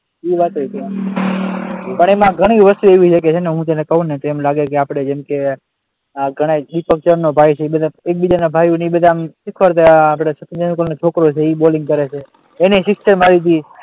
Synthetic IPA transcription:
iʋat̪oit̪ʰia | pəɳ̃emãɡʱəɽ̃iʋəst̪ueʋiʃʰəket͡ʃʰeneɦũt̪enekəɦũnet̪oemlaɡekeapɽ̃ed͡ʒemke | ɡʱəɽ̃aɗ̪ipək̚t͡ʃəɾnobʱajt͡ʃʰeibəd̪ʱaek̚bid͡ʒanabʱajunibəd̪ʱamʃɪkʰʋəɾt̪eːpɽasəkd͡ʒənukənot͡ʃʰokɾot͡ʃʰeiboliŋɡ̚kəɾet͡ʃʰeː | nesɪkst͡ʃəɾmaɾit̪ʰi

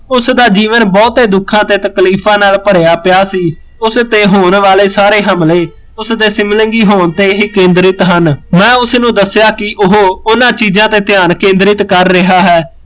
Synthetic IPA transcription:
ʊsd̪aːd͡ʒiːʋənbɔːt̪ɦeːd̪ʊkʰːãːt̪eːt̪əkliːpʰãːnaːlpəɾejaːpɪjaːsiː | ʊst̪eːɦoːnʋaːleːsaːɾeːɦəmleː | ʊsd̪eːsɪmləŋɡiːɦoːnt̪eːɦiːkẽːnd̪ɾɪt̪ɦənmɛ̃ːʊsnũːd̪əsːɪjaːkɪʔʊɦoːʊnãːt͡ʃiːzãːt̪eːt̪ɪjaːnkẽːnd̪ɾɪt̪kəɾːɪɦaːɦɛː

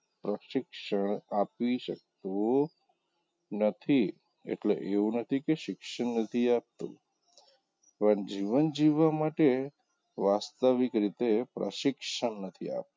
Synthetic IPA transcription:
pɾəʃɪkʃəɳapiʃək̚t̪o | nət̪ʰi | ḛʈlḛʔeunət̪ʰikeʃɪkʃəɳːət̪ʰiap̚t̪ṵ | pəɳd͡ʒiʋənd͡ʒiʋamaʈe | ʋast̪əʋikɾit̪epɾə̰ʃɪkʃəɳnət̪ʰia̰p̚

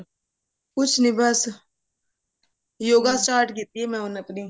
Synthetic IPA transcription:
kʊt͡ʃʰnĩːbəs | joːɡasʈaːɾʈk̬iːt̪iːɦɛːmɛ̃ːʊnəpniː

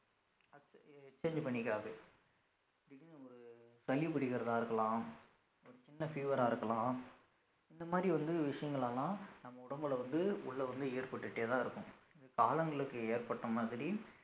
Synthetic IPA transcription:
ɐɛkt͡ʃːeːɲd͡ʒpɐɳːɪkːaːʋeː | ðɪkːɐɔɾɯsɐlipɪɽɪɣɪɾɐðãːɪɾɯkːɐlãː | ɔɾɯt͡ʃɪnːɐfiːʋɐɾaːɪɾɯkːɐlãː | ɪnd̪ɐmaːd̪ɾiʋɐnd̪ɯʋɪʂɐjɐŋɡɐɭɐlãːnɐmːɐʊɽɐmbɐlɐʋɐnd̪ɯʊ̰ɭːɐʋɐnd̪ɯeːɾpɐʈːɯʈːeːt̪ãːɪɾɯkːʊ̰̃ɐkaːlɐŋɡɐɭɯkːɯeːɾpɐʈːɐmaːðɪɾi

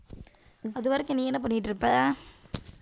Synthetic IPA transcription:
ɐðɯʋɐːɾɯkːɯniːɛnːɐp̬ɐɳːɪɪʈːɾɯpːɐaː

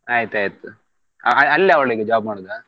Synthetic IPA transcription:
aːjt̪aːjt̪ːu | ɐ̰ɐɐlːɐɐʋɐɭiɡed͡ʒaab̚maːɽud̪a

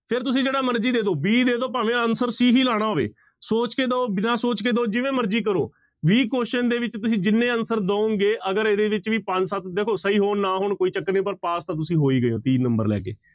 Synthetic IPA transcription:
pʰɪɾt̪ʊs̬ĩːd͡ʒeːɽaːməɾd͡ʒiːd̪eːd̪oːbiːd̪eːd̪oːpaːʋẽːənsəɾsiːɦiːlaːɽ̃aːɦoːʋḛː | soːt͡ʃkeːd̪oːbɪnaːsoːt͡ʃkeːd̪oːd͡ʒɪʋẽːməɾd͡ʒiːk̬əɾo̰ː | ʋiːkoːʃənd̪eːʋɪt͡ʃt̪ʊs̬ĩːd͡ʒɪnːẽːənsəɾd̪õːũŋɡeːʔəɡəɾeːd̪eːʋɪt͡ʃʋiːpəɲd͡ʒsət̪̚d̪eːkʰoːsəiːɦoːnaːɦʊɳkoːiːt͡ʃəkːneːp̬əɾpaːst̪ãːt̪̬ʊsĩːɦoːiːɡəjoːt̪iːnəmbəɾlɛ̰ːkḛː

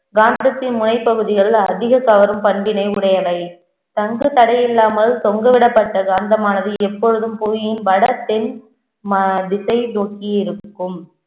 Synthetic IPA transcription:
ɡaːnd̪ɐt̪ːɪnmʊnɐɪpːɐɣɯðɪɣɐɭɐðɪɣɐkɐʋɐɾɯmpɐɳbɪnɐɪʊɽɐjɐlɐɪ | t̪ɐŋɡɯt̪ɐɽɐjɪlːaːmɐlsɔŋɡɐʋɪɽɐpːɐʈːɐɡaːnd̪ɐmaːnɐðɯɛpːɔɻɯðɯmpuːjɪnʋɐɽɐt̪ːɪn | mɐd̪ɪsɐɪnoːkiɪɾɯkːɯm

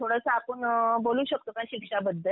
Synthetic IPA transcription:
t̪ʰoɽəsaapəɳboluːɕək̚t̪okaɕikʂabəd̪ʱːəl

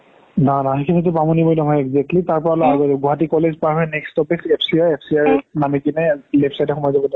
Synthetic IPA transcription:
nanaɦekʰimit̬upamɔnibɔjnɔɦɔjɛɡzɛk̚tlitaɹpɔɹalɔaɡɔdeɡʱɔɦatikɔlezpɔaɦɔjnɛkstɔpiksepʰsiaɹepʰsiaɹɛnamikinajlepsajtɛxɔmɔjzabɔnɔ

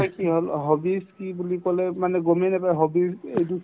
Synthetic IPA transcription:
kiɦolɦobiskibulikɔlɛmanɛɡɔmɛnapajɦobisedu

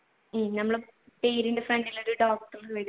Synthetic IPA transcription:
mnɐmːɐɭpeːɾindefreɳɖiloɾuɖoːk̚ʈɐrʋeɽ

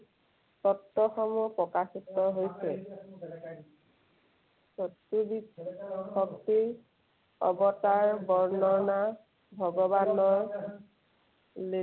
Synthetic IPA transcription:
tɔtːɔxɔmupɹɔkasitɔɦojsɛ | sɔtːubixɔk̚ti | ɔ̰bɔtaɹbɔɹnɔɹna | bʱɔɡɔbanɔj | le

